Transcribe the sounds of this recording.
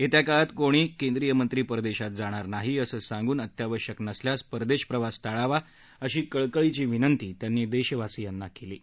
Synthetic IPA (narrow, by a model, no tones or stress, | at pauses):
et̪jakaɭat̪koɽ̃iːkend̪ɾijəmənt̪ɾiːpəɾd̪eɕat̪̚d͡zaɽ̃aɾnaɦiəsəːsãŋɡuːnət̪jaʋəɾɕəknəsljaspəɾd̪eɕpɾəʋast̪aɭaʋa | əɕiːkəɭkəɭit͡ɕiːʋinənt̪iːt̪janːiːd̪eɕəʋasiːjanːakelḭː